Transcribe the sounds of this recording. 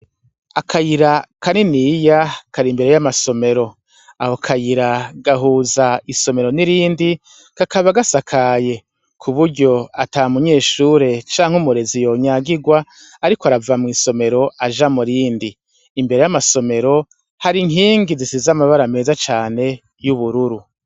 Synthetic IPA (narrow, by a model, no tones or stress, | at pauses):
akʰajiɾakaninijakʰaɾimbe̞ɾe̞jamaso̞me̞ɾo̞ | a̰hokʰajiɾaɡaɦuːzaiso̞me̞ɾo̞niɾiːndi | kakʰaβaɡasakʰaje̞ | kʰuβuɾɟo̞a̰taːmuɲe̞ːʃuɾe̞t͡ʃaːŋ̥umuɾe̞zijo̞ɲaɡiɡwa | aɾikoaɾavamŋiːso̞me̞ɾo̞ʔaʒamuɾiːndiː | mbe̞ɾe̞jamaso̞me̞ɾo̞ | haɾiŋɦiːŋɡizisizamaβaɾame̞ːzat͡ʃaːne̞ | juβuɾuɾu